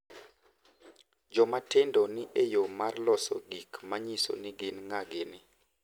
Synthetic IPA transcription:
d͡ʒɔmatendɔnɪʔejomarlɔsɔ̰ɡikmaɲiso̰nɪɡɪnŋaɡenɪ

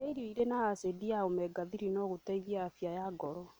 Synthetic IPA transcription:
eiɾiɔiɾenaasediaomɛɡaðiɾinɔɣotaiðjaafjajaɡɔɾɔ

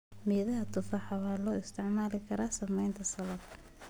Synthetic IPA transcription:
miːðɐɦɐt̪ʊfɑħɑβaːlɔːɪst̪ʰɪʕmaːlɪkʰɐɾaːsɐmɛjnt̪ʰɐsɐlɐbkʰɐ

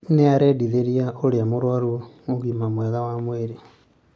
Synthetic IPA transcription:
neaɾɛdiðeɾiaʔoɾeamoɾwaɾu | oɣimamwɛɣawamweɾe

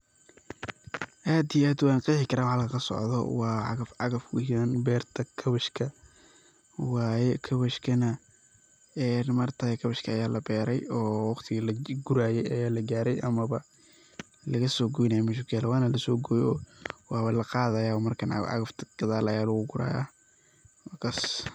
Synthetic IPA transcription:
ʔaːd̪ijaːd̪ʊwaːnqiːħɪkʰɐɾaːwħɑlkʰɐkʰɐsɔ̰ʕðɔ̰wɑːʕɑ̰ɣɐfɑɣɐfkʰʊhɪɐnbɛːrt̪ʰɐkʰɐβɐʃkʰɐ | wɑːjɛkʰɐβɐʃkʰɐnɐ | ɛːnmɐrt̪ʰakʰɐβɐʃkʰɐːjaːlɐbɛːɾɛjɔːwɑqt̪ʰɪɣɐlɐɡʊɾaːjɛjɐjaːlɐɡaːɾɛjʔɐmɐβɐ | lɐɣɐsɔːɡɔjɪnɐjɐmɛʃʊkʰjaːlɛwɑːnɐlɐsɔːɡɔjɔːwɑːβɐlɐqɑːðɐːjaːɔmɐrkʰɐn̰ʕɑ̰ɣɐft̪ʰɐ̥ɡ̥ɐðaːlɐjaːlɐɣʊɡʊɾa̰ːja̰ | wːkʰas

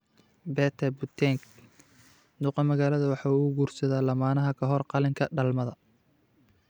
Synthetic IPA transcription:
bɛːt̪ʰɛbut̪ʰɛŋk | d̪uːqɐmɐɣaːlɐðɐwɑħɑːuːɡuːrsɐðaːlɐmaːnɐɦɐkʰɐɦɔrqɑlɪŋkʰɐɖɐlmɐðɐ

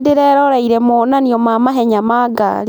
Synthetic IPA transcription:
dɪɾɛːɾɔɾaiɾɛmonaniɔmamaɦɛɲamaːɡa̰li

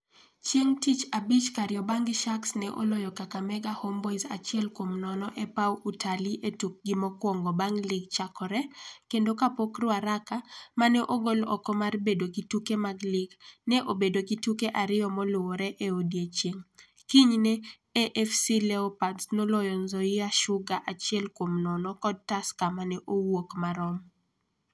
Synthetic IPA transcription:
t͡ʃjeŋtit͡ʃabit͡ʃkaɾɪjɔbaŋɡɪʃaksnɛʔo̰lɔjɔkakamɛɡahɔmbɔizat͡ʃɪɛlkwomnɔnɔʔɛpawutʰaliʔetuk̚ɡɪmɔkwɔŋɡɔbaŋlɪɡt͡ʃakɔɾɛkendokapokrwaɾakamanɛʔoɡolɔ̰kɔmarbedoɡitukemaɡlɪɡnɛʔobedoɡitukeʔaɾɪjɔmɔlʊɔɾɛʔeodiet͡ʃeŋ | kiɲnɛ | eʔɛfsilɛɔpatsnolɔjɔnzoɪaʃʊɡaʔat͡ʃjɛlkwomnɔnɔkɔd̚taskamanɛʔowokmaɾɔm

